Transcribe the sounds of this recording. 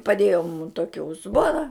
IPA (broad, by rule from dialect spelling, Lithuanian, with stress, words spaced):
pɐˈdʲeːjoː mʊm ˈtoːkʲɪ ʊzˈboːnɐ